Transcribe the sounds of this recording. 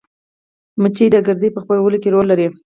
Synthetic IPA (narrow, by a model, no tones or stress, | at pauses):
mət͡ʃijd̪əɡəɾd̪epəxpaɾawəlokeɾolːaɾi